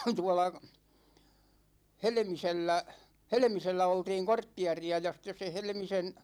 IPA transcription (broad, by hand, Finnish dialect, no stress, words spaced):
tuɒlɑ helĕmiselːæ helĕmiselːæ oltiːŋ kortːiɛ̯riɑ jɑ sĭtːes se helĕmisen